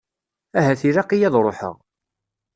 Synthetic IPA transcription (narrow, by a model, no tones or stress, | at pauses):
æɦæθiɾɑqijæðˤɾˤoħə̰ʁ